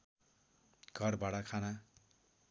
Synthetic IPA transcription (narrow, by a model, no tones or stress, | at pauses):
ɡ̥ʱʌrbaɽʌkʰana